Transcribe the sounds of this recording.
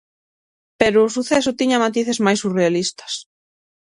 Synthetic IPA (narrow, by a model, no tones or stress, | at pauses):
peɾʊːsuθesʊt̪iɲɐmat̪iθezmajsurealist̪ɐ̥s